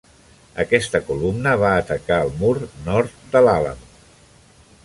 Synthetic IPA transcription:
əkɛst̪əkulumnəβaːt̪əkaəlˠmuɾnɔɾt̪̚d̪əlalə̰m

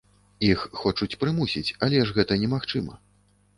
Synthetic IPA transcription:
ixːɔt͡ʂut͡sʲpɾɨmusʲit͡sʲalʲɛʂɣɛt̪ɐnʲɛmaxt͡ʂɨmɐ̰

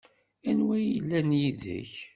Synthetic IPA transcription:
ænwæjilːænjiðə̰ç

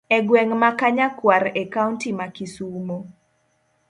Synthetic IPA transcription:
ɛɡwɛŋmakaɲakwaɾɛkauntimakisumo

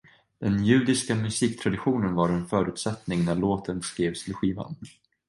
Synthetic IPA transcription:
d̪̥ɛnjʉ̟ːd̪ɪskamɵsiːk̚t̪ʰɾad̪ɪɧuːnənvaɾɛnfœːɾʉ̟ːt̪sɛt̪nɪŋnæɭoːt̪ənskɾeːvst̪ʰɪlɧiːva̰n

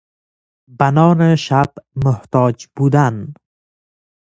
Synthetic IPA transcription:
banɒːneʃabmʊht̪ɒːd͡ʒbuːd̪an

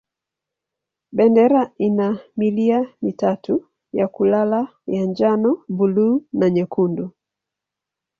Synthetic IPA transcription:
ɓɛndɛɾainamiliamitatu | jakulalajaɲd͡ʒanɔbuluːnaɲɛkundu

